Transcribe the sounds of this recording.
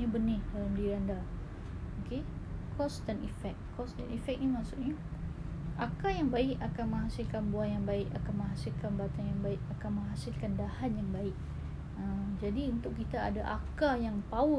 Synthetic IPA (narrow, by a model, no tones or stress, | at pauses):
ɲabənɪhdalamdiɾanda | oke | kʰɔst̪ɛnifɛk̚kːɔst̪ɛnifɛk̚nimasuʔɲa | ʔakajaŋbaɪkakanmə̃ŋɦasɪlkanbuanjaŋbaɪʔakanmə̃ŋɦasɪlkanbat̪anjaŋbaɪk̚akanməŋɦasɪlkandahanjaŋbaɪk̚ | əd͡ʒadiunt̪ʊkkːit̪aːdaʔakajaŋpau